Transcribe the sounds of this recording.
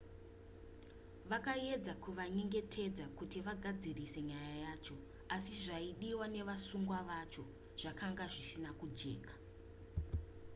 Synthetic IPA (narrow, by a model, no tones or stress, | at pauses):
ʋakae̞d͡zakuʋaɲeŋɡe̞tʰe̞d͡zakutiʋaɡʱad͡zirise̞ɲajajaːt͡ʃo̞ | asiʐaiɗiwane̞ʋasuŋɡwaʋat͡ʃo̞ | ʐ̥akʰaŋɡaʐisinakud͡ʒe̞̰ːkḁ